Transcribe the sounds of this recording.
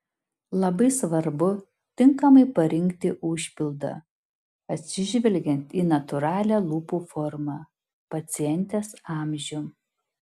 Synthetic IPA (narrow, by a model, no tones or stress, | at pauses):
lˠɐbɐɪsʋɐɾbʊ | t̪ʲɪŋkɐmɐɪpɐɾʲɪŋʲkt̪ʲɪʔʊʃʲpʲɪlˠd̪ɐ̰ | ɐt̪ʲsʲɪʒʲʋʲɛlʲˑɡʲɛnt̪iːnɐt̪ʊɾɑːlʲæːlˠuːpuːfɔɾmɑː | pɐt̪sʲɪjɛnʲˑt̪ʲeːsɑːmʲʒʲʊ